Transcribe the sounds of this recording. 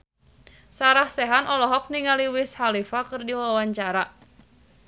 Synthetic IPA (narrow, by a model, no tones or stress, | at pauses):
saɾahsɛɦanʔɔlɔɦɔk̚niŋaliwishalifakɨrdiwawaɲt͡ʃaɾa